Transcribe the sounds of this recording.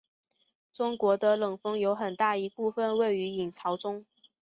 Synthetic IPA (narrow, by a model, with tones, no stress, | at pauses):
ʈ͡ʂʊ˥ŋkwɔ˧˥d̪ə˧lɤ˨˩ŋfɤ˥ŋjo˧˥ʊxə˨˩nt̪a˥˩i˧˥pu˥˧fə˥˧nwe˥˩ɪy˧˥i˨˩ŋt͡sʰɑ˧˥ʊʈ͡ʂʊ˥ŋ